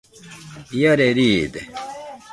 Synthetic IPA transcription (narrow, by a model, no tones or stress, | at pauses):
jɐɾeɾiːd̪e